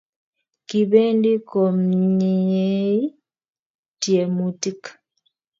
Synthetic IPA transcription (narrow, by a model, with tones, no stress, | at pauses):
ki˨βɛ˦ndi˦kɔ˨mɲi˨e˦i˦ | tje˨mu˨ti˦kḁ